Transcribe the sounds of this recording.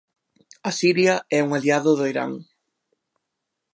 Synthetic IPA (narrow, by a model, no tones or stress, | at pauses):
ɐsiɾjɐɛuŋaliaðʊðʊiɾa̰ŋ